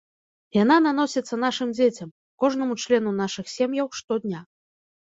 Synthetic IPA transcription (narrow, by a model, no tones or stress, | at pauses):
janananɔsʲɛt̪sːɐn̪aʂɨmd͡zʲet͡sʲɐm | kɔʐn̪ɐmut͡ʂlʲɛnunaʂɨxsʲɛmjɐwʂt̪ɔd̪ʲnʲa